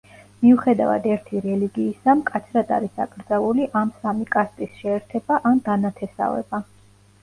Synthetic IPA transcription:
miuχɛd̪a̰va̰d̪ɛɾt̪ʰiɾɛliɡiːsamkʼat̪sʰɾad̪a̰ɾisakʼɾd̪zalˠuliʔamsamikʼast̪ʼisʃɛːɾt̪ʰɛbaʔand̪anat̪ʰɛsa̰vɛ̰ba

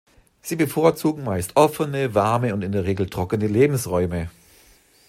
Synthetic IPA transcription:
z̥iːbəfoːɐt͡suːɡŋ̩maɪstʔɔfənəvaɐməʊntɪndeːɐʁeːɡl̩tʁ̥ɔkənəleːbm̩sʁɔʏmə

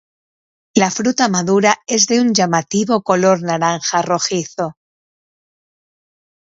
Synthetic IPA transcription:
lafɾut̪amaðuɾae̞zðe̞uɲʝamat̪iβo̞ko̞lo̞ɾnaɾaŋxaro̞xiθo̞

